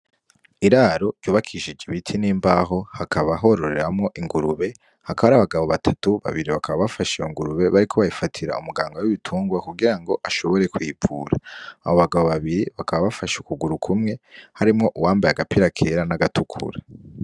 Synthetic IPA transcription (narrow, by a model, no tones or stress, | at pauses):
iɾaɾo̞̥juːβakʰiʃid͡ʒiβitʰiniːmbaːɦo̞hakʰaβaɦo̞ɾo̞ɾe̞ɾamŋo̞ʔiŋɡuɾuβe̞ | hakaβaɾaβaɡaβo̞βatʰatuβa̰βiɾiβakʰaβaβafaʃejoŋɡuɾuβe̞βaɾikʰo̞βajifatʰiɾa̰umuɡaːŋɡawiβitʰuːŋɡwakuɡiɾaŋɡo̞ʔaʃo̞βo̞ɾe̞kwiːpʰṵːɾaːa̰βo̞βaɡaβo̞βaβiɾiβakʰaβaβafaʃukuɡuɾukʰumŋe̞haɾimŋo̞ʔuwaːmbajaɡapiɾakʰeɾanaɡatʰukʰṵɾa